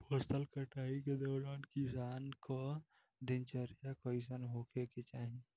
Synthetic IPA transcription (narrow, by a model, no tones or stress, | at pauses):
pəst̪əlkəʈʰaːiked̪ɔːɾankisaːnka | d̪int͡ʃəɾt͡ʃakəɪs̬ənɦokʰeket͡ʃaːɦĩ